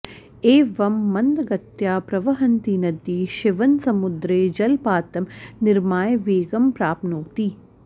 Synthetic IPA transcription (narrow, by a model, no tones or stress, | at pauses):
eːʋɐmːɐnd̪ɐɡɐt̪jaːpɾɐʋɐɦɐnt̪inɐd̪iːʃɪʋɐnsɐmud̪ɾeːd͡ʒɐlpaːt̪ɐmnɪɾmaːjʋeːɡɐmpɾaːpnuːt̪i